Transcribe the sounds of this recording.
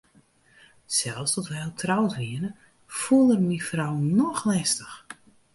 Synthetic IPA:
sɛlˠfstɔtʋɛlˠtʰrawtriənə | fulˠərmifrawnɔxlɛstəx

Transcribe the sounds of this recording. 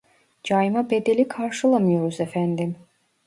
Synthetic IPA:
d͡ʒajmabed̪elikʰaɾʃɯlˠamjoɾuzɛfænd̪im

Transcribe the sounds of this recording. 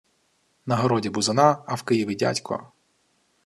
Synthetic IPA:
nɐɦɔɾɔdʲibʊzɐnɑːwkɪjiʋʲidʲa̰tʲkʰɔ̰

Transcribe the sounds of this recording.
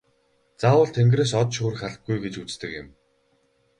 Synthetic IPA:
t͡saːwə̆ːɮt̪ʰeŋɡreːsɔt̪ʃɵːrxaɮ̆ɡujɡet͡ɕut͡st̪ɘ̆kjɪ̆m

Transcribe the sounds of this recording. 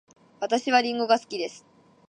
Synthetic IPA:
βat̪aɕiβaɾʲĩŋɡo̞ɡasɨ̥kʲid̪e̞sɨ̥

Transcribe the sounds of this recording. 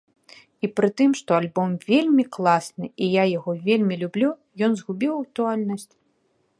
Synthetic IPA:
ipɾɨt̪ɨmʂt̪ɔalʲbɔmvʲelʲmʲiklˠasnɨijajaɣɔvʲelʲmʲilʲublʲu | jɔnzɣubʲiwɐɐt̪ualʲnɐsʲt͡sʲ

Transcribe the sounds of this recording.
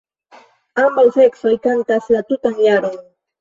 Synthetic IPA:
ambalseksojkant̪aslat̪ʊt̪aŋjaɾʊŋ

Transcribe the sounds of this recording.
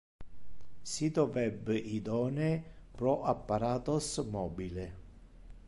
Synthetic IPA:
sit̪ɾovɛbːeʔid̪ɔːnepɾɔʔapːaɾaːt̪osmɔːbile

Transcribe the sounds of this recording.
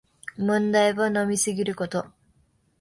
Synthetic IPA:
mõnd̪aiβono̞mʲisɨɡʲiɾɯ̟ko̞t̪o̞

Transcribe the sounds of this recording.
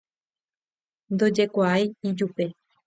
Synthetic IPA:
nd̪o̞d͡ʒe̞kʷaajid͡ʒupe̞

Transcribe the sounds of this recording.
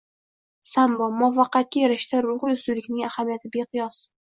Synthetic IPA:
sambɒmɒfɑqːɑt̪̚kʲajeɾɪʃt̪aɾʊʁʊjʊsulɪkʲnɪŋahamijat̪ʰɪbeqʰɨjɒs

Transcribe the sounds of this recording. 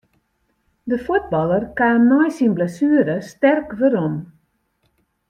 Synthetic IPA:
dəfut̚bɔlˠərkaːmnɔjsinblɛsyəɾəstɛrkʋøɾon

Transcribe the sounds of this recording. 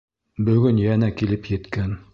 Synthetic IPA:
bɵ̆ɡɵnjænækilɘpjɘ̆t̪kæn

